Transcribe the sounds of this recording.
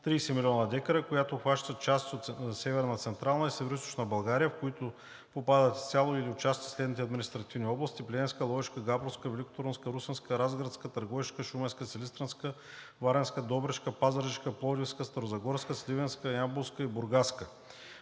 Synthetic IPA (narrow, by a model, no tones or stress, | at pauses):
t̪ɾiːsɛmilʲiɔnəd̪ɛkəɾəkʊjat̪ʊxvaʃt̪ət̪̚t͡ʃast̪ʲot̪sɛvɛɾnət̪sɛnt̪ɾalˠnəisɛvɛɾoʊist̪o̥ʃnəbɐlˠɡaɾijəfkʊit̪ʊ | popad̪ət̪sʲalˠʊiliʊt͡ʃast̪i̥slɛd̪nit̪ɛɐd̪minist̪ɾɐt̪ivnʲiɔblˠɐst̪iplʲɛɛ̃nskəlˠɔvɛʃkəɡapɾofskəvɛlʲikʊ̥t̪oɾonskəɾusənskəɾazɡɾət̪skət̪ɐɾɡɔviʃkəʃumɛnskəsɛlist̪ɾɐnskə | vaɾɛnskəd̪ɔbɾɛʃkəpazəɾɛʃkəplˠɔd̪ʲifskəst̪ɐɾozɐɡɔɾskəslivɛnskəjabuskəibʊɾɡaskə